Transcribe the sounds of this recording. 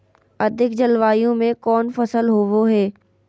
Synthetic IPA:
ɐd̪ʱɪkd͡ʑɐlʋaːijũmẽkɔːnfɐsəlɦoʋoɦeː

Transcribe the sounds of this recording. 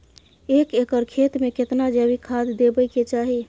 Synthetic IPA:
ekekəɾkʰet̪meket̪nad͡ʒəbikʰad̪d̪ebəjket͡ʃaɦi

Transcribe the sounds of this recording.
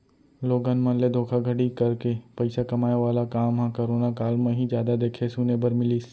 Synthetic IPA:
loːɡanmãnled̪ʱoːkʰaɡʱɐɽikɐɾkepɐɪsakɐmaːeʋaːlakaːmɦãkoɾoːnakaːlmẽɦĩzjaːd̪ad̪eːkʰesuːnebəɾmɪliːs

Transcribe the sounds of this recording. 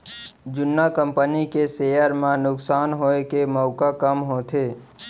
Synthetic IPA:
d͡ʒʊnːakəmpənikesejəɾmãnʊksaːnɦoekeməʊkakəmɦot̪ʰe

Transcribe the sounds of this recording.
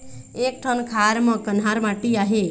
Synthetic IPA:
ek̚ʈʰənkʰaɾmʌ̃kənɦaɾmaʈiaɦe

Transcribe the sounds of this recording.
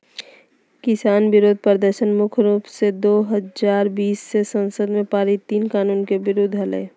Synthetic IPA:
kɪsaːnbɪɾoːd̪ʱpəɾd̪əɾʃənmʊkʰɾuːpsed̪oːɦəzaːɾbiːsːesə̃nsəd̪mẽpaːɾit̪iːnkaːnuːnkebɪɾod̪ʱɦəlḛː

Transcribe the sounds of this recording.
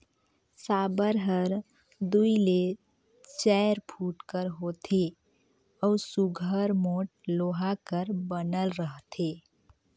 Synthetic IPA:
saːbəɾɦəɾ | d̪uile | t͡ʃɛɾpʰuʈkəɾɦot̪ʰe | ɔʊsuɡʱəɾmoʈ̚loɦakəɾbənəlɾəɦt̪ʰe

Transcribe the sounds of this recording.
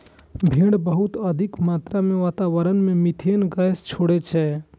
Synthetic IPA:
bʱẽːɽbəɦʊt̪əd̪ʱɪkmaːt̪ɾamẽʋaːt̪aʋəɾənmẽmit̪ʰenɡajst͡ʃʰoːɽet͡ʃʰɛ

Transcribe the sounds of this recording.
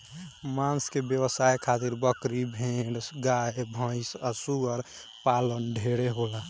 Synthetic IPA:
mãnskebjəwəsajkʰat̪iɾbəkɾibʱẽɖɡaːebʱə̃ɪsəsuɡəɾ | paːlənɖʱeɽeɦola

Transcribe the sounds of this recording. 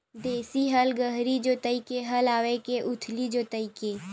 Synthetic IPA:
d̪eːsiɦəlɡəɦɾid͡ʒot̪əikeɦəlaːʋekeʔʊt̪ʰlid͡ʒot̪əike

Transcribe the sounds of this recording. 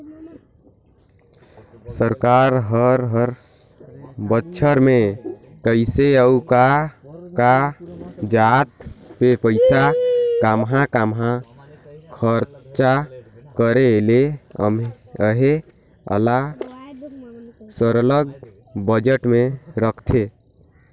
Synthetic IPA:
səɾkaɾɦəɾɦəɾ | bətːt͡ʃʰəɾme | kəɪseəukaka | d͡ʒat̪pepəɪsakamɦãkamɦã | kʰəɾt͡ʃakəɾeleə̰m | əɦe | ə̰la | səɾələɡ̚ | bəd͡ʒeʈmeɾəkʰt̪ʰe

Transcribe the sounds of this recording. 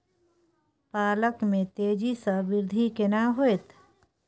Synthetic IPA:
paːləkmẽt̪eːd͡ʒisəbɪɾd̪ʱikenaɦoet̪ʰ

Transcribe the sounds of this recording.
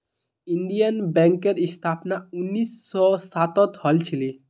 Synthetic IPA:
iɳɖijənbɛ̃ŋkːeɾist̪ʰapnaunːisːɔsat̪ɔt̪hɔlt͡ʃʰili

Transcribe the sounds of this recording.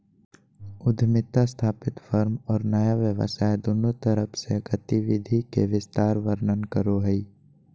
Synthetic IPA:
ʊd̪ʱmɪt̪ast̪ʰaːpɪt̪fʰəɾmɔːɾnəjaʋjəʋə̰saːed̪ʊnot̪əɾəpʰseɡət̪ɪʋɪd̪ʱikeʋɪst̪aːɾʋəɾnənkəɾoɦəi

